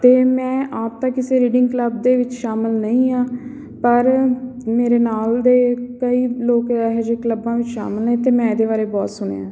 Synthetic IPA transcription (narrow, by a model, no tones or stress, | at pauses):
t̪eːmɛ̃ːaːp̚t̪ãːkɪseːɾiːɖɪ̃ŋɡkləb̚d̪eːʋɪt͡ʃʃaːməlnəĩːaː | pəɾmeːɾeːnaːld̪eːkəiːloːkːɦɛd͡ʒekləbãːʋɪt͡ʃʃa̰ːməlnẽːt̪eːmɛ̃ːɪd̪eːβaːɾeːbɔːt̪sʊɳ̃ḛːãː